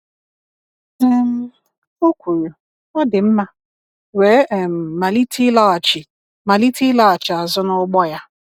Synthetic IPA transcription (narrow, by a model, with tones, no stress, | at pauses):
e˦m̩˨ | o˦kʷu˨ɾu˨ | ɔ˦dɪ˨m̩˦ma˦ | weː˨˦˨m̩˨a˨li˦ti˦lt͡ʃɪ˨ | ma˨li˦ti˦la˦a˨t͡ʃɪ˨a˨zʊ˦nʊ˦ɡ͡bɔ˦ja˦